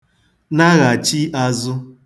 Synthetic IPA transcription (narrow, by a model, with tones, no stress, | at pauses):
na˦ɣa˨t͡ʃi˦ʔa˦zʊ˦